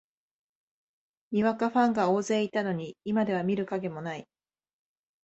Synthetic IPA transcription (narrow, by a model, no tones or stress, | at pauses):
ɲʲiβakaɸãŋɡao̞ːze̞ːit̪ano̞ɲ̟iimad̪e̞βamʲiɾɯ̟kaɡe̞mo̞nai